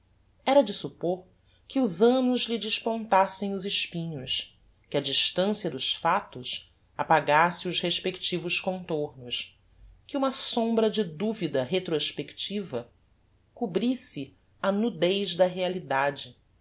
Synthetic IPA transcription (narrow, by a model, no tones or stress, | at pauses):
ɛɾɐd͡ʒɪsupoɾ | kɪuzɐ̃nʊzlid͡ʒɪʃpõnt̪asẽj̃ʊzɪʃpĩɲʊs | kɪɐd͡ʒiʃt̪ɐ̃siɐd̪ʊʃfat̪ʊs | apaɡasɪʊzheʃpekt͡ʃivʊʃkõnt̪oɾnʊs | kɪũmɐsõmbɾɐd͡ʒɪd̪uvid̪ɐɦet̪ɾoʃpekt͡ʃivɐ | kubɾisɪ | ɐnud̪ejzd̪ɐɦealid̪ad͡ʒɪ